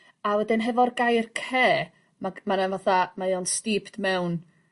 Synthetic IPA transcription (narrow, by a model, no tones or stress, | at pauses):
awɛdɪnɦɛvɔrɡajrkʰeː | mamananvaθamajɔnstiːpʰtmɛwn